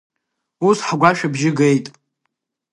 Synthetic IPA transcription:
usħɡʷaʃᶣabʒɪɡejtʼ

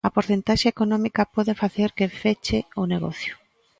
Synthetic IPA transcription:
ɐpoɾθent̪aʃaekonɔmikɐpɔðefaθeɾkɪfet͡ʃeʊneɣɔ̰θjʊ

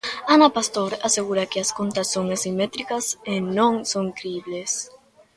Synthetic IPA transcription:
anapast̪oɾaseɣuɾakɪaskont̪asoŋasimet̪ɾikɐsenõŋsoŋkɾiβles

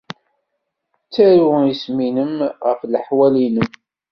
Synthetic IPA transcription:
t͡sːæɾuisminəmʁəflħwælinəm

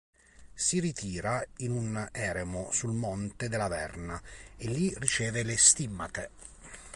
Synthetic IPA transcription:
sirit̪ʰiːɾainunɛːɾemosulmɔnt̪ed̪elavɛrnaelːirit͡ʃɛːvelest̪imːat̪e

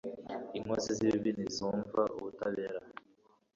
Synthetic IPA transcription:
iŋwosiziβiβinizuːɱvaʔṵβutaβeːɾa

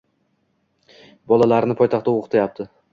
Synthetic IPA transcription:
bɒlˠalaɾnɪpʰɒjt̪ʰɑχt̪ːaoqʰɨ̥t̪ʰajap̚t̪ʰɪ

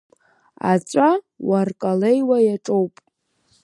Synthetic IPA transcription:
a̰t͡sʷʼa | warkʼalejwajaʈ͡ʂʼowpʼ

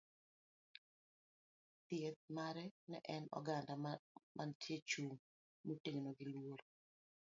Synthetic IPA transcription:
t̪jet̪̚maɾɛnɛ̰ʔɛnɔ̰ɡandamʔantʰjet͡ʃuŋ | muteŋnoɡɪlwoɾo

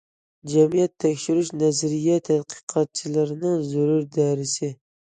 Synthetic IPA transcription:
d͡ʒɛmijɛt̪ʰːɛkʲʃyɾyʃnɛzɾijɛt̪ʰæd̪qʰɨ̥qʰɑt̪̚t͡ʃʰilɪɾɪnɪŋzʊɾuɾd̪ɛɾɪsɪ

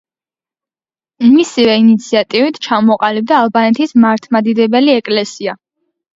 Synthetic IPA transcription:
misivɛinit̪sʰiat̪ʼivit̪ʰt͡ʃʰamɔqʼalib̚d̪aːlˠbanɛt̪ʰismaɾt̪ʰmad̪id̪ɛbɛliɛkʼlɛsia

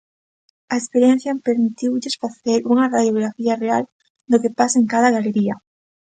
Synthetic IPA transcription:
aespeɾjen̟θjampeɾmit̪iwʎɪsfaθeɾuŋɐraðjoɣɾafiareal | d̪okepasaeŋkað̞ɐɣaleɾia

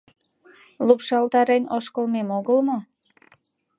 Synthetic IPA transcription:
lupʃɑlt̪ɑɾenoʃkolmemoɣəlmo

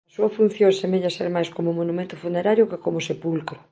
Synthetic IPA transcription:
asuɐfun̟θjoŋsemeʎaseɾmajskomomonumẽnt̪ʊfuneɾaɾjokekomosepulkɾʊ

